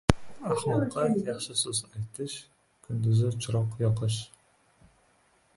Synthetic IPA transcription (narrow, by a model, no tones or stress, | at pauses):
aχlˠɒqʰːɑjɑχʃɪsɵzajt̪ʰɪʃ | kʰʊnd̪ʊzɪt͡ʃʰʊɾɒqjɒqʰɨʃ